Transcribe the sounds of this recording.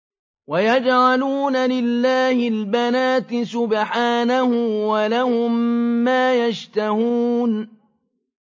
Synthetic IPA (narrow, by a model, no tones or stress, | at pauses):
wajad͡ʒʕaluːnalɪlːaːhɪlbanaːt̪ɪsʊbħaːnahʊwalahʊmːaːjaʃt̪ahuːn